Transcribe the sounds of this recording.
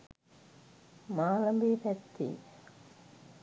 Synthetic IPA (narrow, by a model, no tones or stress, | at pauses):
maːlɐmbipɛt̪ːḭ